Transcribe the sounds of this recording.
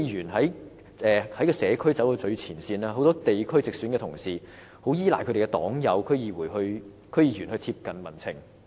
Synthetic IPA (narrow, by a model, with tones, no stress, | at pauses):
jyː˨˩nɦɐ˨˥j | ɛː˨hɐ˨˥jkɔː˧sɛː˨˧kʰɵ˥ɥt͡sɐ˨˥wloː˨˧t͡ʃɵ˧ɥt͡sʰiː˨˩nsiː˧naː˧o˨˥wt̪ɔː˥t̪e˨jkʰɵ˥t͡sɪ˨k̚syː˨˥nkɛ˧t̪ʰʊ˨˩ŋsiː˨ | ho˨˥wjiː˥la̰ː˨˩kʰɵ˨˧te˨˩˨kɛ˧t̪ɔ̰ː˨˥ŋjɐ˨˧wkʰɵ˥ɥjiː˨˧wuː˨˩jhɵ˧ɥ | kʰɵ˥ɥjiː˧jyː˨˩nhɵ˧ɥt̪ʰiː˧p̚kɐ˨nmɐ˨˩nt͡sʰɪ̰˨˩ŋ